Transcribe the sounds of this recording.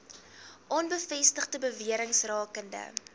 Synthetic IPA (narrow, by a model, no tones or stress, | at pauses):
ʔɔnbəfɛstəχdəbəviəɾəŋsrɑːkəndə̰